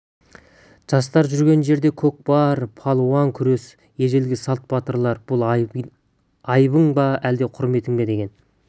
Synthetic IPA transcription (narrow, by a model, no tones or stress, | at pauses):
ʒ̥ɑs̬t̪ɑɾʒʏɾɡʲe̞nʒe̞ɾd̪e̞kʲʰɵk̚bɑɾpʰɑlˠuɑŋkʲʰʏɾe̞s | je̞ʒelɡʲɪsɑlˠt̪̚bɑt̪əɾlˠɑɾbʊlˠ | ɑjbəŋbɑæld̪e̞qʰʊɾme̞t̪ɪŋbe̞d̪e̞ɡʲe̞n